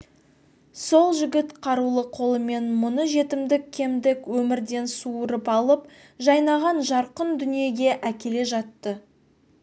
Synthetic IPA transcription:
so̞lˠʒʏɡʲɪt̪qʰɑɾulˠəqʰo̞lˠəme̞nmʊnəʒe̞t̪ɪmd̪ɪkʲʰːe̞md̪ɪkwɵmɪɾd̪e̞nsuəɾəpɑlˠəp̚ | ʒɑjnɑʁɑnʒɑɾqənd̪ʏnije̞ɡʲe̞ʔækʲe̞le̞ʒɑt̪ːə

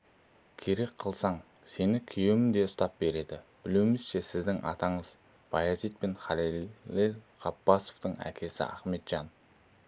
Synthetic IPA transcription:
kʲʰe̞ɾe̞kqʰəlˠsɑɴ | se̞nɪkʲʰʏjemɪnd̪e̞ʊst̪ɑp̚be̞ɾe̞d̪ɪb̥ɪluwmɪzʃe̞sɪzd̪ɪŋʔɑ̰t̪ɑɴəz | bɑjɑzijt̪̚penχɑlieʁɑpːɑso̞vt̪əɴæ̰kʲʰe̞sɪ̰ɑ̰χme̞t̪ʒ̥ɑn

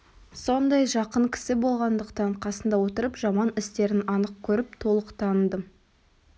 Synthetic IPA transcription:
so̞nd̪ɑjʒɑqəɴkʲʰɪ̥sɪbo̞lˠʁɑnd̪əqt̪ɑɴqʰɑsənd̪ɑwo̞t̪əɾəpʒɑmɑnɪst̪e̞ɾɪnɑnəq̚kʲʰɵɾɪp̚t̪ʰo̞lˠəqt̪ʰɑnəd̪ə

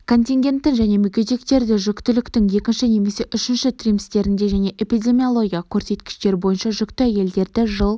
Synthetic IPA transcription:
kʰo̞nʲt̪ʲiŋɡʲe̞nt̪ːɪnʒæne̞mʏkʲe̞t̪ekt̪e̞ɾd̪ɪʒʏkt̪ɪlɪkt̪ɪŋje̞kʲɪnʃɪne̞me̞se̞ʔʏʃɪnʃɪt̪ʰrʲimɪst̪e̞ɾɪnd̪e̞ʒæne̞ʔepijd̪ʲe̞mio̞lˠo̞ɡʲijɑkʲʰɵɾse̞t̪kʲɪ̥ʃt̪e̞ɾbo̞jənʃɑʒʏkt̪ɪæje̞ld̪e̞ɾd̪ɪʒəlˠ

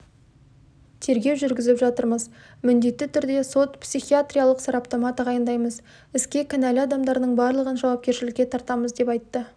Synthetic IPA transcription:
t̪ʰe̞ɾɡʲe̞wʒʏɾɡʲɪzɪpʒɑt̪əɾməz | mʏnd̪e̞t̪ːɪt̪ʰʏɾd̪e̞so̞t̪psiχiat̪ɾʲijalˠəqsɑɾapt̪omat̪əʁɑjənd̪ɑjməz | ɪskʲe̞kʲʰɪnælʲɑd̪ɑmd̪ɑɾnəɴbɑɾlˠəʁənʒɑwɑp̚kʲe̞ɾʃɪlɪkʲːe̞t̪ʰɑɾt̪ɑməzd̪e̞pɑjt̪ːə

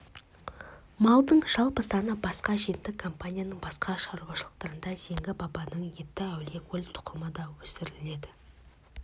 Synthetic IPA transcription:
mɑlˠd̪əɴʒ̥ɑlˠpəsɑnəbɑsqɑʒet̪ːɪkʰːompanʲijanəɴbɑsqɑʃɑɾuwɑʃəlˠəq̚t̪ɑɾənd̪ɑze̞ŋɡʲɪbɑbɑnəɴje̞t̪ːɪæwle̞kʰʲɵlʲt̪ʰʊ̥qʰəməd̪ɑwɵsɪɾɪle̞d̪ɪ

